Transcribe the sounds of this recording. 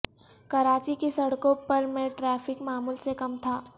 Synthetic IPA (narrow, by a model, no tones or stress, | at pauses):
kɐɾaːt͡ʃikesɐɽkõpɐɾmẽʈɾɛːfɪkmaːmuːlsekɐmt̪ʰaː